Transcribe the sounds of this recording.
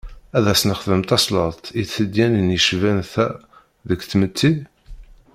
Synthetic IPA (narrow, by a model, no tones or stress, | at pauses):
æðæsnəχðəmt̪ɑsˤləˤt̪iθəd̪jænənjəʃvænθæ | ðəkθmət̪ʰːi